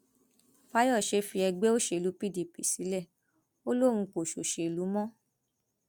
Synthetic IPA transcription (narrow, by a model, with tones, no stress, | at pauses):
fa˦jɔ˦˨ʃe˧fi˧ɛ˧ɡ͡be˦o˦ʃe˧˨lu˨˦pi˦˨di˨pḭ˨si˨˦lɛ˦˨ | o˦lo˦˨ɾ̃ũ˧ko˨ʃo̰˨ʃe˧i˨lu˨˦mɔ̃˦